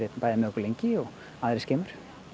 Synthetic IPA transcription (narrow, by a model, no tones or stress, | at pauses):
et̪paːjðɪmɛðɔhkʏɾlejɲcɪɔɣ | aːðɾɪsceːmʏɾ̥